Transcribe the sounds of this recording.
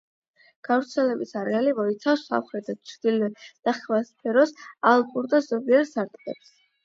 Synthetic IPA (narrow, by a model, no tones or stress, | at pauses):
ɡ̥avɾt̪sʰɛlɛbisaɾɛalimɔit̪sʰafsa̰fχɾɛd̪at͡ʃʰɾd̪ilɛd̪̥aχvaspʰɛɾɔsalˠkʼuɾd̪azɔbiaɾsaɾt̪ʼqʼɛ̰ps